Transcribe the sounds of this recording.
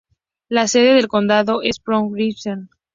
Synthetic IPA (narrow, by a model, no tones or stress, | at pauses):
lase̞ðe̞ðe̞lko̞nd̪aðo̞ʔe̞spɾoŋɾifson